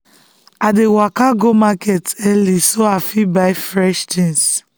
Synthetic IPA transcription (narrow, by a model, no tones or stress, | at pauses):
adewakaɡomakɛtɛlisoafibaɪfɹɛʃtĩns